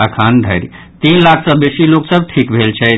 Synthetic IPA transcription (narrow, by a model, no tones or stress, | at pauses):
əkʰand̪ʱəɪɾ | t̪inlakʰsə̃besiloksəb̚ʈʰikbʱelt͡ʃʰɛ